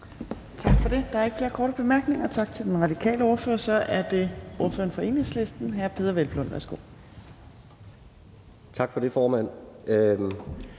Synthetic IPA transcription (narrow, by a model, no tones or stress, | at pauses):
t͡sʰɑ̈ɡ̥fɒ̽d̥e̝d̥ɑ̈æɐe̝ɡ̥fle̝ːɐkʰɒːɾəb̥e̝mæɐɡ̥ne̝ŋɐt͡sʰɑ̈ɡ̥̚t͡sʰe̝ld̥enʁɑ̈d̥ikʰɛ̰ːləɒːɐføɐsɒ̽ʔæɐd̥e̝ɔfɐenfɒ̽e̝̰ːne̝ŋsle̝sd̥n̩ɦæɐpʰe̝ːðˠɐʋelb̥lɔ̽nʋæ̰ɐsɡ̥o̝̰ː | t͡sʰɑ̈ɡ̥fɒd̥e̝fɒːmæn̰